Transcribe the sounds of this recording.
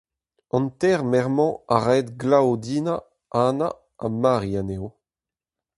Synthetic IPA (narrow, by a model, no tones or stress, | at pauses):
ɑ̃nt̪ɛʁmɛʁmɑ̃aʁɛd̪ɡlaod̪iːna | aːna | amaːʁianeo